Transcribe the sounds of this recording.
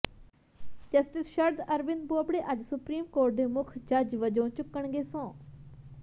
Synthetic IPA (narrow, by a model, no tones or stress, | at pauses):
d͡ʒɐsʈisʃɐɾd̪ɐɾbɪnboːbɽeʔɐd͡ʑsʊpɾiːmkoːɾʈ̚d̪emʊkʰd͡ʒɐd͡ʒʋɐd͡ʒõːt͡ʃʊkːəɳ̃ɡesõː